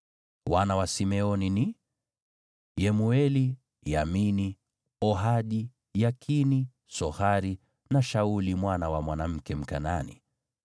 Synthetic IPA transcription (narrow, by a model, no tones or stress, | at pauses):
wanawasimɛɔnini | jɛmuɛli | jamini | ɔɦaɗi | jakʰini | sɔhaɾi | naʃaulimwanawamwanam̩kɛm̩kananḭ